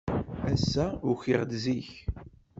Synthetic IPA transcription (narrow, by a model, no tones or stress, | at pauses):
æsːæʊçiʁd̪ziç